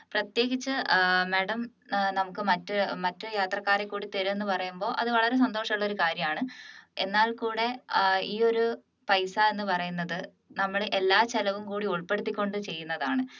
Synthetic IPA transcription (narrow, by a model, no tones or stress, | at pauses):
prɐt̪je̞ːɡit͡ɕːɨmeːɽɐm | nɐmukːɨmɐtːɨmɐtːɨjaːt̪rɐkːaːɾekːuːɽit̪eɾue̞nːɨpɐrɐjumbo̞ːʔɐðɨʋɐɭɐɾe̞s̬ɐnd̪o̞ːʂɐmuɭːo̞ɾukaːɾjɐmaːɳɨe̞nːaːlkuːɽe̞iːo̞ɾu | pɐjsae̞nːɨpɐrɐjunːɐðɨ | nɐmːɐɭʔelːaːt͡ɕelɐʋumkuːɽiuɭpe̞ɽut̪ːikʲːo̞ɳɖɨt͡ɕe̞jːunːɐðaːɳɨ